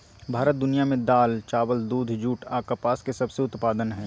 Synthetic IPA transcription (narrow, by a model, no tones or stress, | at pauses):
bʱaːɾət̪̚d̪ʊnijamẽd̪aːlt͡ʃaːʋəld̪uːd̪ʱd͡ʒuːʈʰaːkəpaːskesɐbseʊt̪paːd̪ənɦɛ̃ː